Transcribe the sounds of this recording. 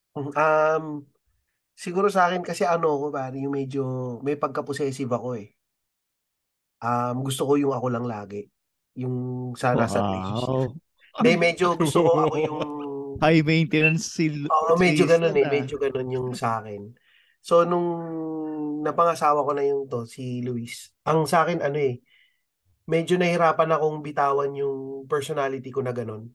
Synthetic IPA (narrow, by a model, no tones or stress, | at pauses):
m̩mʔɐm | sɪɡuːɾos̬ɐaːkɛnkɐsɛʔɐno̞ɐko̞paːɾɐjʊŋmɛd͡ʒo̞mɐjpɐɡ̚kɐposɛːsɪvɐko̞ɛ | ʔɐmɡʊs̬t̪oko̞jʊŋɐko̞lɐŋlaːɡɛ | jʊŋsɐnasɐb̪ɛ̰d͡ʒo | d̪ɛmɛd͡ʒo̞ɡʊst̪okoʔɐkojʊŋŋɐjment̪ɛnɐnsiʔoːʔomɛd͡ʒoɡɐno̞nɛmɛd͡ʒoɡɐno̞njʊŋsɐʔaːkɛn | so̞nʊŋ | nɐpɐŋɐsaːwɐko̞nɐjʊnt̪o̞siluːisʔɐŋsɐʔaːkɛnɐno̞ɛ | mɛd͡ʒo̞nɐhɪɾaːpɐnɐko̞ŋbɪt̪aːwɐnjʊŋpɛɹsonaːlɪt̪ikonɐɡɐno̞n